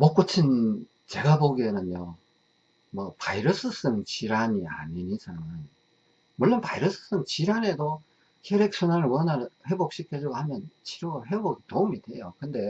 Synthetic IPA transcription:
mok͈ot͡ɕʰin | t͡ɕe̞ɡaboɡenɯnjo | mʌpaiɾɯs͈ʰɯs͈ɯnt͡ɕiɾaɲia̰ɲinisaŋɯn | mʌɭːonpaiɾɯs͈ɯ̥s͈ɯnt͡ɕiɾane̞do | kʰeɾek̚s͈ʰunanɯɭwʌnaɾhe̞bok̚ɕ͈ikʰed͡ʑoɡohamjʌnt͡ɕʰiɾoɡɦeboɡitoumide̞jokɯnde̞

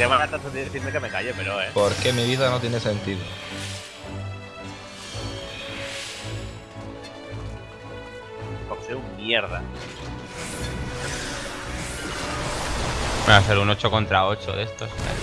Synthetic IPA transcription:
keβaat̪ant̪et̪iðeθiɾmekemekaʝepeɾoepoɾkemiβiðanot̪jene̞se̞nt̪iðo | pokseummjeɾða | easeɾuno̞t͡ʃoko̞nt̪ɾao̞t͡ʃo̰ðe̞st̪osa̰

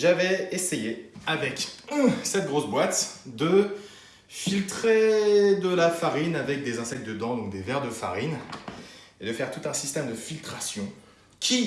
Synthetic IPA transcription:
ʒavɛesejeavɛksɛt̪̚ɡʁosbwat̪d̪ə | filt̪χed̪əlafaʁinavɛk̚d̪ezɛ̃sɛk̚t̪̚d̪əd̪ɑ̃d̪ɔ̃k̚d̪evɛʁd̪əfa̰ʁin | ed̪əfɛʁt̪ut̪ɛ̃sist̪ɛmd̪əfilt̪χasjɔ̃ | kʲʰi

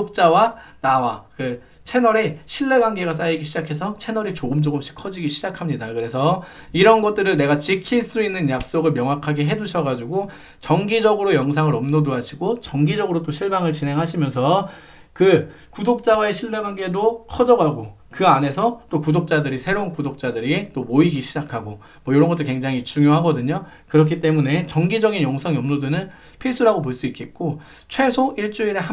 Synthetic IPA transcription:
ok̚t͡ɕ͈awanawakɯ | t͡ɕʰe̞nʌɾeɕʰiɭːe̞ɡwaŋɡe̞ɡas̬͈aiɡiɕʰid͡ʑakʰe̞s̬ʰʌt͡ɕʰe̞nʌɾit͡ɕoɡɯmt͡ɕoɡɯmɕ͈ʰi̥kʰʌd͡ʑiɡiɕʰid͡ʑakʰamɲidakɯɾe̞sʰʌ | iɾʌnɡʌt̚t͈ɯɾɯɭne̞ɡat͡ɕikʰiɭs͈uinːɯnjak̚s͈oɡɯɭmjʌŋɦwakʰaɡe̞ɦe̞d͡ʑuɕʰʌɡad͡ʑuɡo | t͡ɕʌŋɡid͡ʑʌɡɯɾojʌŋsʰaŋɯɾʌmnodoɦaɕʰiɡot͡ɕʌŋɡid͡ʑʌɡɯɾot̬͈oɕʰiɭbaŋɯɭt͡ɕinɦe̞ŋɦaɕʰimjʌnsʰʌ | kɯ | kudok̚t͡ɕ͈awaeɕʰiɭbeɡaŋɡe̞dokʰʌd͡ʑʌɡaɡo | kɯane̞sʰʌt͈okudok̚t͡ɕ͈adɯɾisʰe̞ɾounkudok̚t͡ɕ͈adɯɾit͈omoiɡiɕʰid͡ʑakʰaɡo | mwʌjoɾʌnŋɡʌt͈ɯɭkwe̞ŋd͡ʑaŋit͡ɕuŋjoɦaɡʌdɯɲokɯɾʌkʰit͈e̞mune̞t͡ɕʌŋɡid͡ʑʌɡinjʌŋsʰʌŋiʌmnodɯnɯn | pʰis͈uɾaɡop̬oɭs͈uitk͈e̞t̚k͈o | t͡ɕʰwe̞sʰoʔiɭt͡ɕ͈uiɾeɦa

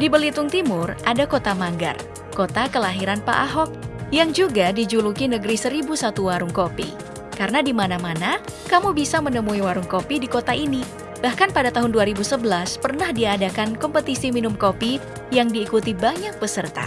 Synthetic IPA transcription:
dibəlit̪ʊŋt̪imʊrʔadakot̪amaŋɡa̰r | kot̪akəlaɦiɾanpa̰ʔaɦɔk̚jaŋd͡ʒuɡadid͡ʒulukinəɡəɾisəɾibusat̪uwaɾʊŋkopḭ | kaɾənadimanamanakamubisamənəmuiwaɾʊŋkopidikot̪aʔini | b̥ahkanpadat̪aɦʊnduaɾibusəbəlaspərnahdiadakankɔmpət̪isiminʊmkopi | jaŋdiːkut̪ibaɲak̚bəsərt̪a̰

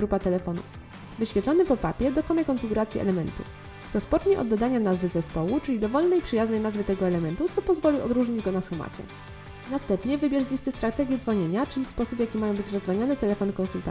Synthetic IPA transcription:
ɾupat̪ɛlɛfɔnṵf | vɘɕfʲjɛt̪lɔnɘpɔpapʲjɛd̪ɔkɔnajkɔnfʲiɡuɾat̪sʲjḭʔɛ̰lɛmɛnt̪ṵ | ɾɔspɔt͡ʂɲɛʔɔ̰d̪ːɔd̪aɲanazvɘzɛspɔwut͡ʂɘlʲid̪ɔvɔlnɛjpʂɘjaznɛjnazvɘt̪ɛɡɔɛlɛmɛnt̪ut̪sɔpɔzvɔlʲiɔ̰d̪ɾuʐɲid͡ʑɡɔnasxuma̰t͡ɕɛ̰ | nast̪ɛmpɲɛvɘbʲjɛʐzlʲist̪ɘst̪ɾat̪ɛɡʲjɛd̪zvɔɲeɲat͡ʂɘlʲispɔsupjakʲimajɔ̃w̃bɘt͡ɕɾɔzd̪vaɲanɛt̪ɛlɛfɔnkɔ̃nsult̪a

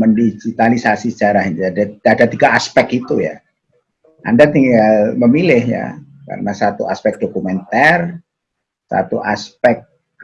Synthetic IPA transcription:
məndid͡ʒit̪alisasisə̥d͡ʒaɾahint̪adaadat̪iɡaaspɛkit̪uja̰ | ʔa̰ndat̪iŋɡɡalməmilɪhja̰ | ka̰ɾənasat̪uaspɛk̚d̥okumɛnt̪ar | sa̰t̪uʔaspɛk̚

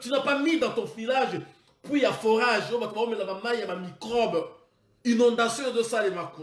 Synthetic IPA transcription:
t̪ynapamid̪ɑ̃t̪ɔ̃filaʒe | pwijafoʁaʒobatobaomelabamajjabamikʁɔb | inɔ̃nd̪asjɔ̃zosalemaku

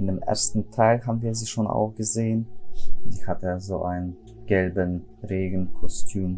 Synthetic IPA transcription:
ʔɪndeːmʔḛɐstn̩tʰaɪlɦaːbm̩viːɐziːʃoːnʔa̰ʊfɡ̥əzeːəndiːhatəzoːʔaɪnən | ɡ̥ɛlbən | ʁeːɡn̩kʰɔstʰyːm

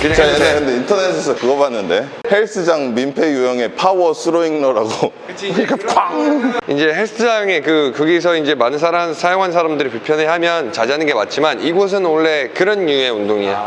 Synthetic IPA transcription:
kt͡ɕaekɯnde̞intʰʌnesʰesʰʌkɯɡʌbanːɯnde̞ | he̞ɭs͈ʰɯd͡ʑaŋmimpʰe̞jujʌŋe̞pʰawʌsʰɯɾoiŋnʌɾaɡo | kɯkwaŋind͡ʑe̞heɭs͈ʰɯd͡ʑaŋekɯkʌɡis̬ʰʌind͡ʑe̞manɯnsʰaɾansʰajoŋɦansʰaɾamdɯɾipuɭpʰjʌneɦamjʌnt͡ɕad͡ʑanɯnɡe̞mat̚t͡ɕ͈imaniɡos̬ʰɯnoɭːe̞kɯɾʌnːue̞undoŋia

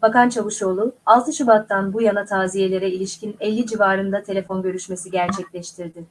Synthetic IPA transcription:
bakant͡ʃʰavɯʃo̞ːlˠualˠt̪ʰɯʃubat̪ʰːanbujanat̪ʰaːzije̞lʲe̞ɾɛilʲiʃcinɛlʲːid͡ʒivaːɾɯnd̪at̪ʰe̞lʲe̞fo̞nɟø̞ɾyʃme̞siɟæɾt͡ʃʰɛclʲɛʃt̪ʰiɾd̪ɪ

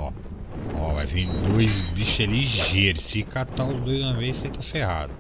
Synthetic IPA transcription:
ɔ | ɔva̰jvẽd̪d̪ojzbiʃeliʒeɾʊsikat̪awʊzd̪ojzũɐvezsẽt̪afeɦa̰d̪ʊ

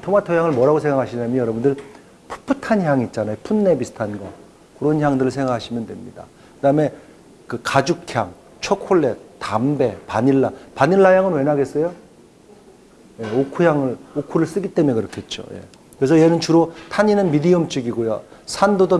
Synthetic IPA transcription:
tʰomatʰojaŋɯɭmwʌɾaɡosʰe̞ŋɡakʰaɕʰinamjʌnjʌɾʌbundɯɭ | pʰu̥pʰɯtʰançjaŋit̚t͡ɕ͈anajopʰunːe̞bisʰɯ̥tʰanɡʌ | kɯɾʌnçjaŋdɯɾɯɭsʰe̞ŋɡakʰaɕʰimjʌndwe̞̰mɲida̰ | kɯdaɯme̞ | kɯkad͡ʑukʰja̰ŋ | t͡ɕʰokʰoɭːe̞tambe̞paɲiɭːapaɲiɭːajaŋɯnwe̞naɡe̞s͈ʌjo | je̞okʰujaŋɯɭokʰuɾɯɭs͈ɯɡit͈e̞mujekɯɾʌkʰe̞t̚t͡ɕ͈o̰jḛ | kɯɾe̞s̬ʰʌjenɯnt͡ɕuɾotʰaɲinɯnmidiʌmt͡ɕ͈iɡiɡojo̰sʰandodo

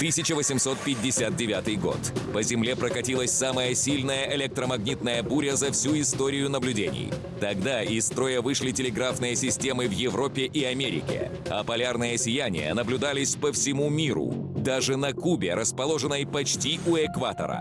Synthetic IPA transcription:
t̪ɨsʲɪt͡ɕəvəsʲɪmso̞t̪̚pʲɪdʲːɪsʲat̪̚dʲɪvʲat̪ɨjɡo̞̰t̪pəzʲɪmlʲe̞pɾəkɐtʲilˠəsʲsaməjəsʲilʲnəjəʔɪlʲɛk̚t̪ɾəmɐɡnʲit̪̚nəjəbuɾʲəzɐfsʲuɪst̪o̞ɾʲɪjʊnəblʲʉdʲenʲɪ̰j | t̪ɐɡd̪aɪst̪ɾo̞jəvɨʂlʲɪtʲɪlʲɪɡɾafnɨjəsʲɪsʲtʲe̞mɨvjɪvɾo̞pʲːɪʔɪɐmʲeɾʲɪ̰kʲɪ̰ | ɐpɐlʲarnɨjəsʲɪjanʲɪ̰jə̰nəblʲʊd̪alʲɪsʲpəfsʲɪmumʲiɾʊ̰d̪aʐɨnɐkubʲɪɾʔəspɐlˠo̞ʐɨnːəjpɐt͡ɕtʲiʊɛkvat̪ə̰ɾə̰

